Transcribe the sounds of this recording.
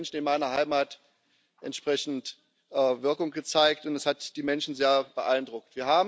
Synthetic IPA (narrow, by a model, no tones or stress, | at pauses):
nʃn̩ɪnmaɪnɐɦaɪmaːt | ʔɛ̰ntʃpʁ̥ɛçn̩t | ʔɛːvɪɐkʊŋɡət͡saɪk̚tʊntɛshatd̥iːmɛnʃn̩zeːɐb̥əʔaɪndʁʊk̚tv̥iːɐɦaːb